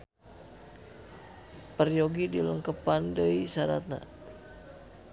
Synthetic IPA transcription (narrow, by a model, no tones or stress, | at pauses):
pərjoɡidiləŋkəpandəjsaɾa̰t̪̚na̰